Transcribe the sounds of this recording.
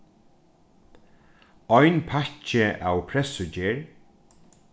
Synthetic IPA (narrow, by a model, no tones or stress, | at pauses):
ɔjnpʰat͡ʃɪʔawpʰɾɛsʊd͡ʒeːɹ